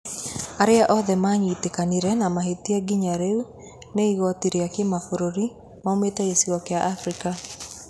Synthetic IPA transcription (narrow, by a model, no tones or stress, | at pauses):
aɾeaʔɔðɛmaɲitekaniɾɛnamaɦetiaɡiɲaɾeu | neiɣɔtiɾeakemafoɾoɾi | mametɛɣesiɣɔkeaʔafɾika